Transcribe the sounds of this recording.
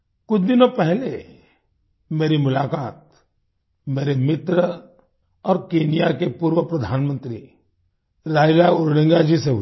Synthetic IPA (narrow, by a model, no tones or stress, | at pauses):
kʊt͡ʃʰd̪ɪnõpɛɦle | meːɾimʊlaːkaːt̪̚ | meːɾemɪt̪ɾə | ɔːɾkeːnijakepuːɾʋəpɾɐd̪ʱaːnmə̃nt̪ɾi | ɾaːjlaʊɾɽə̃ŋɡad͡ʒiseɦʊ